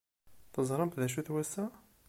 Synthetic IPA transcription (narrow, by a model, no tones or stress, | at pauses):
t̪əzˤɾˤəmfðæʃ̬uθwæsæ